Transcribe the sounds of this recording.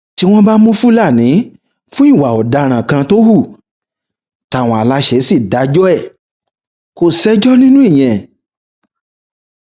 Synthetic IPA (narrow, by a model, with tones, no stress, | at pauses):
ti˧˦w̃ɔ̃˦ba˦mũ˦fu˦la˦˨nĩ˨˦ | fũ˦i˦˨wa˨ɔ˨da˧˦ɾ̃ã˨kã˧to˦hu˦˨ | ta˨w̃ɔ̃˨a˨la˧ʃɛ˧˦si˦˨da˨˦d͡ʒɔ˦ɛ˦˨ | ko˧˨sɛ˦d͡ʒɔ˦nĩ˦nũ˦i˦˨j̃ɛ̃˨